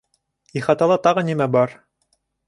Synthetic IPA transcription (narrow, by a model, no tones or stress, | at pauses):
iχɑt̪ɑlˠɑt̪ɑʁɤnimæbɑɾ